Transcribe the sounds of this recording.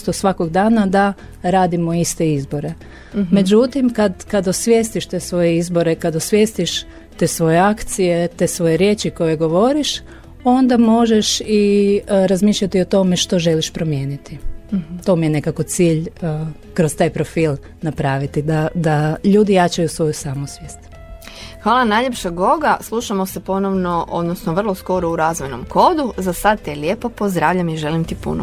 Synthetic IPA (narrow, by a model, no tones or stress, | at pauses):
t̪osʋako̞ɡd̪aːnad̪a | ɾaːd̪imo̞ist̪e̞izbo̞ɾe̞ | me̞d͡ʒut̪imkad̪kad̪osʋje̞ːst̪iʃt̪e̞ːsʋo̞jeizbo̞ɾe̞kad̪osʋje̞ːst̪iʃ | t̪e̞ːsʋo̞jeakt̪sije̞t̪e̞ːsʋo̞jeɾje̞ːt͡ʃiko̞jeɡo̞ʋo̞ɾiʃ | o̞nd̪amo̞ʒeʃiɾazmiːʃʎʲat̪iot̪o̞me̞ʃt̪o̞ʒe̞liʃpɾo̞mjeːnit̪it̪o̞mijene̞kako̞t̪siːʎ | kɾost̪aːjpɾo̞fiːlˠ | napɾaːʋit̪id̪ad̪aʎuːd̪ijat͡ʃajusʋo̞jusaːmusʋjeːst̪ | xʋaːlˠanajʎepʃaɡo̞ɡaslˠuʃamosepo̞noʋnoʔod̪nosnoʋr̩lˠo̞sko̞ɾouɾaːzʋojno̰mkʰod̪uzasad̪̚t̪ijeljepopozd̪ɾaːʋʎamiʒelimt̪ipṵno